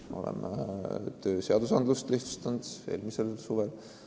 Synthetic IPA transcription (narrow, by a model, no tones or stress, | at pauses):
o̞̰lḛm | t̪øːse̞ɑd̪̥usɑnd̪lust̪liht̪u̥st̪ɑnd̪̥e̞̰ːlmiselsuːvel